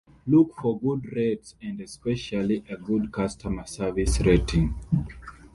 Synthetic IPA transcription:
lukfɔɡudɹɛtsɛ̃ndɛspɛʃaliʔəɡudkʰastʰəməsɛ˞visɹetʰĩŋ

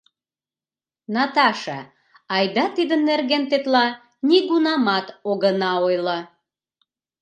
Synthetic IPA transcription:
nɑt̪ɑʃɑ | ɑjd̪ɑt̪id̪ənːerɣent̪et̪lɑ | niɣunɑmɑt̪oɣənɑojlə

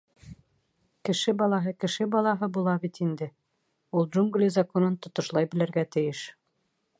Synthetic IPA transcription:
kɘ̆ʃɘbɑlˠɑɦɤkɘ̆ʃɘbɑlˠɑɦɤbulˠɑbit̪ind̪ɘ | ulˠʒuŋɡlʲizɐkonɤnt̪ŏt̪ŏʃlˠɑjbɘ̆læɾɡæt̪ɘ̆jɘʃ

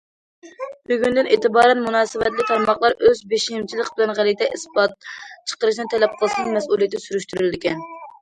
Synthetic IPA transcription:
byɡʲynd̪ɪneːt̪ɨbɑːɾɛnmunɑːsɨvɛt̪lɪk̚ʲt̪ʰɑɾmɑχlˠɑɾʔøzbeʃimt͡ʃʰilˠɪqbɪlɛnʁælit̪ɛʔisbɑt̪̚t͡ʃʰə̥qəɾɨʃnɨt̪ʰɛlɛp̚qʰəlˠɨʃnɨŋmɛsulˠijt̪syɾyʃt̪yɾld̪ɪkʲɛn

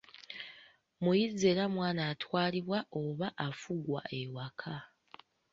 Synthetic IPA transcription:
mujizːe̞ːɾamwaːnaːtwaːliβwaʔoβaʔːfuɡwa̰ʔewakʰa

